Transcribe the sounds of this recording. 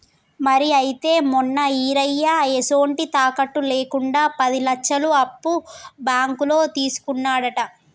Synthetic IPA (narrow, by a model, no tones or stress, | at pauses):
mɐɾiɐjit̪e̞ːmɔnːɐiːɾɐjːaeso̞ːɳʈit̪aːkɐʈːule̞ːkuɳɖaːpɐd̪ilɐkʃɐluɐpːubaːŋkulo̞ːt̪iːsu̥kunːaːɽɐʈɐ